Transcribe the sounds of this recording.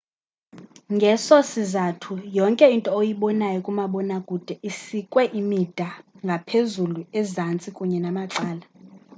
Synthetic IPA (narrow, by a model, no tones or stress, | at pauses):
ŋɡʱɛsosizatʰujɔŋkʼɛintʼɔojiɓɔnajɔkʼumaɓɔnakʼud̥ʱɛʔisikʼwɛʔimid̥ʱaŋɡʱapʰezuluɛzant͡sʼikʼuɲɛnamaǀaːla